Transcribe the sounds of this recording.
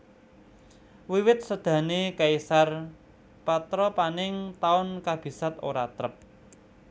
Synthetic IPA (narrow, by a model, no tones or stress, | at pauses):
wiwɪt̪̚səd̪̥ä̤nekaisar | pat̪ɾɔpanɪŋt̪aʊnkab̥i̤sat̪o̰ɾa̰t̪ɾəp̚